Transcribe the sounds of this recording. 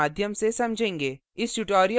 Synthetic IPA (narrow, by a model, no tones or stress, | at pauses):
aːd̪ʱjəmsesɐmd͡ʒʱẽːŋɡeː | ɪsʈʊʈoːɾijə